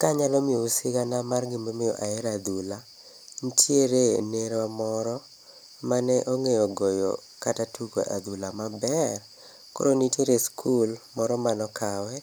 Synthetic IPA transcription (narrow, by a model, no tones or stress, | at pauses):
kaɲalɔmɪousɪɡanamarɡɪmbemɪjɔ̰ʔaɛɾad̪ula | n̩tjeɾeneɾwamɔɾɔ | manɛʔoŋejɔɡɔjɔ̰ | katatʰuko̰ʔa̰d̪ulamabɛr | ko̰ɾonitjeɾeskʰulmɔɾɔmanɔkawɛ